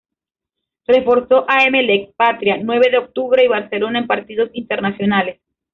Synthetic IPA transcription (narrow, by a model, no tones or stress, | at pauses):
re̞fo̞ɾso̞ʔaemelek̚pat̪ɾjanwe̞βe̞ðeok̚t̪uβɾe̞iβaɾselo̞naempaɾt̪iðo̞sint̪e̞ɾnasjo̞nales